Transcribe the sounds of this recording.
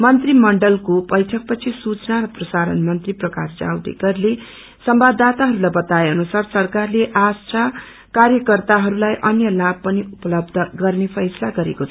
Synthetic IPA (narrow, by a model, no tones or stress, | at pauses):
mʌnt̪rimʌɳɖʌlkobʌjʈʰʌk̚pʌt͡sʰisut͡snaɾʌprʌsaɾʌ̰nmʌnt̪riprʌkasd͡za̰wd̪ḛɡʌrle | sʌmbad̪at̪aɦʌɾulajbʌt̪aeʌnusarsʌrkarleʔasʈa | karjʌkʌrt̪aɦʌɾulajʔʌnjʌlab̚pʌniupʌlʌbd̪ʱʌɡʌrnepʰʌjsʌlaɡʌɾekot͡sʰ